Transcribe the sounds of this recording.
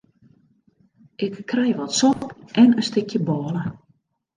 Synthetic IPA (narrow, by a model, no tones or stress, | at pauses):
ʔɪkːrɛjʋɔtsɔpʔɛnəstɪkʰjəbɔːlə